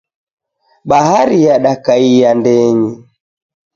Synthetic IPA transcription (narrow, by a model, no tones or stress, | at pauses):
ɓaɦaɾijaɗakaijandɛɲi